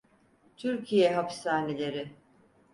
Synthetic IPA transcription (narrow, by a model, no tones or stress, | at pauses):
t̪ʰyɾcʰijɛɦapsaːnelʲe̞ɾɪ